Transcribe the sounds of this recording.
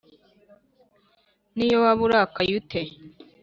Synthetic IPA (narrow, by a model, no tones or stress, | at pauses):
nijowaβuɾakajute